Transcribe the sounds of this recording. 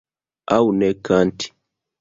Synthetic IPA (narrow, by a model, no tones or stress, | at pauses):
a̰wunɛkanti̥